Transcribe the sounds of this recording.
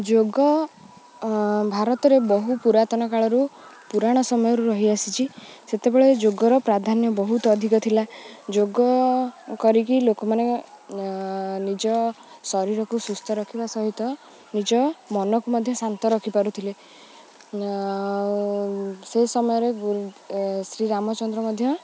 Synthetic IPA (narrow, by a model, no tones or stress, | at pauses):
d͡ʒoɡɔ | bʱaɾɔt̪ɔɾebɔɦupuɾat̪ɔnɔkaɭɔɾu | puɾaɽ̃ɔsɔmɔjɔɾuɾɔɦiasit͡ʃʰiset̪ebeɭed͡ʒoɡɔɾɔpɾad̪ʱanjɔbɔɦut̪ɔːd̪ʱikɔt̪ʰilad͡ʒoɡɔkɔɾikilokɔmane | nid͡ʒɔ | sɔɾiɾɔkusust̪ʰɔɾɔkʰibasɔɦit̪ɔ | nid͡ʒɔmɔnɔkumɔd̪ʱjɔsant̪ɔɾɔkʰipaɾut̪ʰile | sesɔmɔjɔɾe | sɾiɾamɔt͡ʃɔnd̪ɾɔmɔd̪ʱjɔ